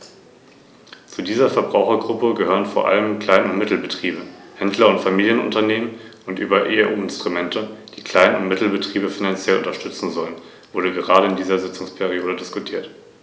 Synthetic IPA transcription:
t͡sudiːzɐfɛɐbʁaʊxɐɡʁʊpəɡəhøːʁənfoːɐʔa̰ləmkʰl̥aɪnʊntmɪtl̩bətʁ̥iːbəhɛndlɐʊntfamiːljənʊ̰ntɐneːmən | ʔʊntʔyːbɐʔeːʔṵːɪnstʁ̥umɛntʰəd̥iːkʰl̥aɪnʊ̰ntmɪtl̩bətʁ̥iːbəfinant͡sjɛlʔʊ̰ntɐʃtʏt͡sn̩zɔlən | v̥ʊɐɾəɡəʁaːɾəɪndiːzɐzɪt͡sʊŋspʰɛʁ̞ioːdədɪskʊtʰiːɐt

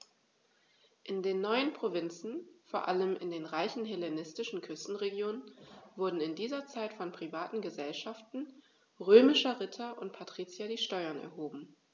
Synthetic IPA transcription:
ʔɪndeːnːɔʏənpʁ̥ovɪnt͡sn̩foːɐʔaləmʔɪ̰ndeːnʁaɪçn̩ɦɛlenɪstɪʃn̩kʰʏstn̩ʁeɡjoːnənvʊɐdn̩ɪndiːzɐt͡saɪtfɔnpʁ̥ivaːtn̩ɡəzɛlʃaftn̩ | ʁøːmɪʃɐʁɪtʰɐʔʊntpʰatʁ̥iːt͡sjadiːʃtɔʏɐnɛ̰ɐɦoːbm̩

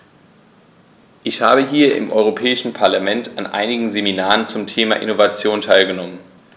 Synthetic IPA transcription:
ʔɪçha̰ːbəɦiːɐʔɪ̰mʔɔʏʁ̞opʰɛːɪʃn̩pʰaɐlamɛntanʔa̰ɪnɪɡŋ̩zeminaːʁənt͡sʊmtʰeːma̰ʔɪ̰novat͡sjoːntʰaɪlɡənɔmən

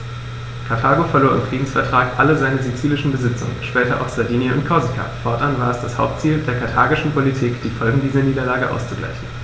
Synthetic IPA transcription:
kʰaɐtʰaːɡofɛɐloːɐʔɪ̰mfʁ̥iːdn̩sfɛɐtʁ̥aːkʔaləzaɪnəzit͡siːlɪʃn̩bəzɪt͡sʊ̰ŋə̰nʃpɛːtɐʔa̰ʊxz̥adiːniəʊnt̚kʰɔɐzikʰa̰ːfɔɐtʔanvaːɐɛsd̥ashaʊp̚tt͡siːldeːɐkʰaɐtʰaːɡɪʃn̩pʰolitʰiːkd̥iːfɔlɡŋ̩diːzɐniːdɐlaːɡəʔa̰ʊst͡suɡla̰ɪçn̩

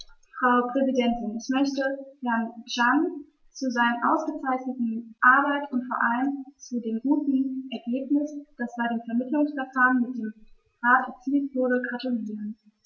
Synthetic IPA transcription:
fʁ̥aʊpʁ̥ɛzidɛntɪnɛçmœçtəhɛɐnʒan | t͡suzaɪnənʔaʊsɡ̥ət͡saɪçnətn̩ʔaɐbaɪtʊntfoːɐʔaləmt͡sudeːmɡuːtn̩ʔɛɐɡeːpnɪsd̥asb̥aɪɾeːmfɛɐmɪtlʊŋsfɛɐfaːʁənmɪt̚d̥eːm | ʁaːtɛɐt͡siːltv̥ʊɐɾəɡatʊliːʁən

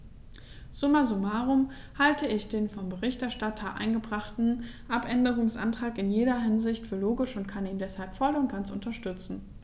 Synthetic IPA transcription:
z̥ʊmazumaːʁʊm | haltəɪçd̥eːnfɔmbəʁɪçtɛɐʃtatʰɐʔa̰ɪnɡəbʁaχtn̩ʔapʔɛndəʁ̞ʊŋsʔa̰ntʁ̥aːkɪnjeːɾɐɦɪnzɪçtfyːɐloːɡɪʃʊntkʰaniːndɛshalpfɔlʊntɡ̥ant͡sʊ̰ntɐʃtʏt͡sn̩

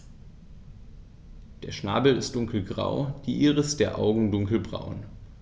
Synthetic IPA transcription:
d̥eːɐʃna̰ːbl̩ɪst̚d̥ʊŋkl̩ɡʁa̰ʊd̥iːʔiːʁəstd̥eːɐʔa̰ʊɡŋ̩dʊŋkl̩bʁa̰ʊn

